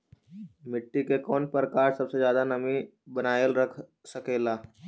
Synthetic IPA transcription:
mɪʈːikekɔːnpɾəkaːɾsɐbsed͡ʒjaːd̪anɐmĩbɐnaːjəlɾəkʰ | sɐkeːlaː

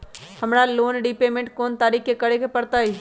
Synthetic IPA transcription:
həmɾaloːnɖipeːmẽɳʈ̚koːnt̪aːɾiːkʰkekəɽekepɐɽt̪aiː

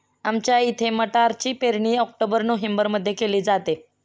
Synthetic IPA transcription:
amt͡ɕjait̪ʰeməʈaɾt͡ɕiːpeɾɳiːɔk̚ʈobəɾnoɦembəɾməd̪ʱːjekeliːd͡zat̪e

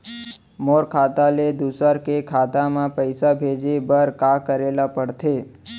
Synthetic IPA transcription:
moːɾkʰat̪aled̪usəɾkekʰaːt̪amãpəɪsabʱed͡ʒebəɾkakəɾeːlapəɽt̪ʰe

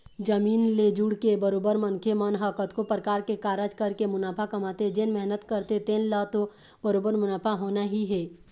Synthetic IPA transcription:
d͡ʒɐmiːnleːd͡ʒʊɽkebəɾoːbəɾmɐ̃nkʰemənɦəkət̪kopɾəkaːɾkekaːɾəd͡ʒkɐɾkemʊnaːpʰakɐmaːt̪ed͡ʒenmɛɦnət̪kəɾt̪et̪eːnlat̪o | bəɾoːbəɾmʊnaːpʰaɦoːnaɦiɦɛː

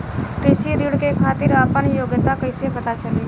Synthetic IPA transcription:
kɾɪʃiɾiɽkekʰaːt̪ɪɾəːpənjoːɡət̪akəɪsepɐt̪at͡ʃəle

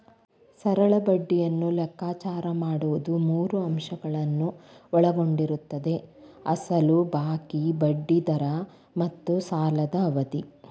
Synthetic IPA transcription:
sɐɾɐɭɐbɐɖːijɐnːulɛkːaːt͡ʃaːɾɐmaːɽuʋud̪umuːɾuɐmʃɐɡɐɭɐnːuɔɭɐɡo̞ɳɖiɾut̪ːɐd̪e̞ɐsɐlubaːkibɐɖːid̪ɐɾɐ | mɐt̪ːusaːlɐd̪ɐːʋɐd̪i

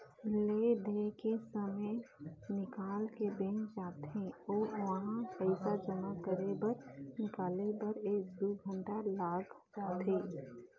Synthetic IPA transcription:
led̪ʱekesəmənɪkaːlkebẽːnd͡ʒaːt̪ɦẽɔːɾʋəɦãpəɪsad͡ʒəmakəɾebəɾnɪkaːlebəɾeːk̚d̪uɡʱə̃ɳʈalaːɡ | d͡ʒaːt̪ɦeː

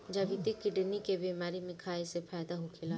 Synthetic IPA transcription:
d͡ʒɐʋit̪ikɪɖnikebiːmaːɾimɪ̃kʰaːisepʰaːd̪aɦokʰela

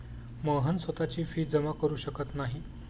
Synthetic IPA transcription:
məɦənsʋət̪at͡ɕiːfiːd͡zəmakəɾuːɕəkət̪naɦi

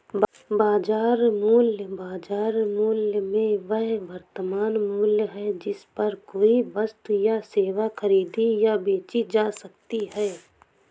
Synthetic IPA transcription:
baːd͡ʒaːɾmuːljbaːd͡ʒaːɾmuːljəmẽʋəɦʋəɾt̪əmaːnmʊljɦɛd͡ʒɪspɐɾkoːiʋəst̪ujaseːʋaxəɾiːd̪ijabeːt͡ʃid͡ʒaːsək̚t̪iɦɛː

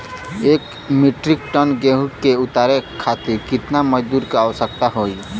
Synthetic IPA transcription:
ek | miʈɾik̚ʈənɡeɦuʈkeut̪aɾekʰat̪iɾkɪt̪naməd͡ʒd̪uɾkeawsək̚t̪aɦoj

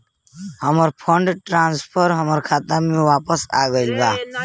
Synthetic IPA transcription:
həməɾpʰəɳɖʈɾãːnspʰəɾɦəməɾkʰaːt̪amĩʋaːpəsa̰ːɡəilbaː

